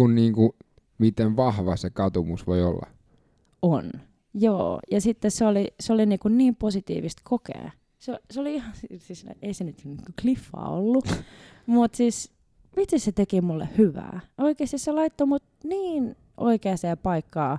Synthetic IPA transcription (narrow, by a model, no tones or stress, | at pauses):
kunniːŋku | mit̪eʋʋɑhʋɑsekɑt̪umusʋoiolːɑ̰ | on | joːjɑsit̪ːesseoliseoliniːkunniːmposit̪ḭːʋist̪kʰokḛː | seoseoliihɑnsisisn̰eisenyt̪sniŋkuklifːɑ̰ːo̰lːu | mut̪siːs | mit̪ːisset̪ekimulːḛhhyʋæ̰ːoikeːst̪isselɑit̪ːomut̪niːn | ʔo̰ikeɑseːpɑikːɑː